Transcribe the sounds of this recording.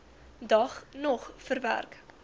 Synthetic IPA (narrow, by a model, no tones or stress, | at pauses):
dɐχnɔχfərvæ̰rk